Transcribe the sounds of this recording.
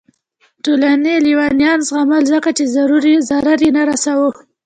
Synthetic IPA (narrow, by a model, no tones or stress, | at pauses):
t̪olaneliwɑnjɑnzɣamalzəkat͡ʃezaɾuɾizaɾaɾjenaɾasawə